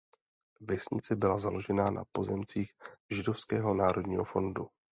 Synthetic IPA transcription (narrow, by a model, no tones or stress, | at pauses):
vɛsɲɪ̰t͡sɛbɪlazalo̞ʒɛnaːnʔa̰po̞zɛmt͡siːxʒɪdo̞fskɛːɦo̞naːɾʔo̞dɲiːɦo̞fo̞̰ndu